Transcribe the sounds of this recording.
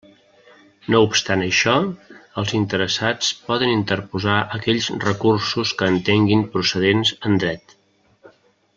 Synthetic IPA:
noupst̪anəʃɔəlˠzint̪əɾəsat͡spɔðənint̪ərpuzaʔəkɛʎzrəkursuskəːnt̪eŋɡimpɾusəð̞enzənd̪ɾɛt̪

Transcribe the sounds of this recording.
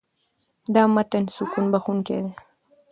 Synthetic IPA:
d̪ɑmat̪ansukunbaxunkḛd̪e

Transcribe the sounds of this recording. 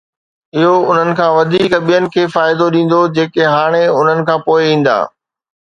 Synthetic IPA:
ɪɦoʊn̤ənɪ̆kʰãːʋɐd̪ʱiːkɓijənɪ̆kʰeːfaːɪd̪oɗĩːn̆d̪od͡ʑeːkeɦaːɽ̃eʊn̤ənɪ̆kʰãːpoːɪʋĩːn̆d̪a̰ː

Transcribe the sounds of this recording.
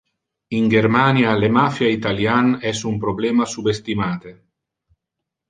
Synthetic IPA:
iŋɡeɾmanjalemafjait̪aljanɛsumpɾoblɛːmasubest̪imaːt̪e

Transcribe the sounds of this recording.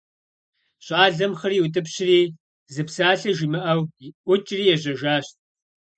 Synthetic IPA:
ɕʼaːɮɐmχɐriːwʊtʼɨpɕɪriː | zɨpsaːɬɐʒimɨʔɐwʔʷʊt͡ʃʼriːjɛʑɐʒaːɕt̚ʼ

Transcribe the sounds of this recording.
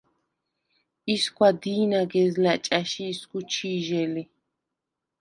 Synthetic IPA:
iskʷwad̪iːnaɡɛzlat͡ʃʼaʃiːskut͡ʃʰiːʒɛli

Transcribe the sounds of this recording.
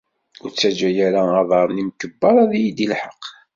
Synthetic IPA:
ʊɾt͡sːæd͡ʒæjæɾaɑðˤɑɾˤnimkəbːɑɾˤæðjid̪ilħəqː

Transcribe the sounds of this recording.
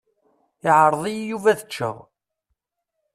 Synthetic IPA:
ɪʕəɾˤðˤijjuvæðət͡ʃːə̰ʁ

